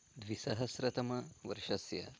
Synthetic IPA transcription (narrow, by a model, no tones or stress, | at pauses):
d̪ʋisɐɦɐsɾɐt̪ɐmɐʋɐ̰ɾʂɐsjɐ̰